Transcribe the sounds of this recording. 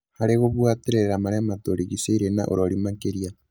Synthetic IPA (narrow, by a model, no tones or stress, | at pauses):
haɾeɣoβwateɾeɾamaɾɛmatoɾiɣiseiɾena̰ʔo̰ɾɔɾimakeɾia